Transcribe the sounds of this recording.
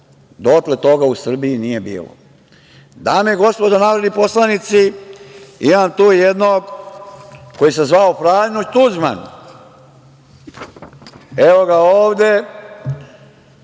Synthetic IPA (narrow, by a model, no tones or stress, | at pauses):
d̪ot̪let̪o̞ɡausr̩biinije̞bḭːlo̰ | d̪ameɡo̞spo̞d̪anaːɾod̪nipo̞slˠanit̪si | imamt̪uːjed̪noːɡ | kojis̬ezʋaopɾaːjnot̪uzma̰n | eʋo̞ɡaoːʋd̪e